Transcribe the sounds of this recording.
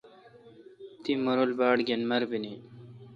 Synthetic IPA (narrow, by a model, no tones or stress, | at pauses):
t̪imoɾolbaːɽɡenmɐɾbini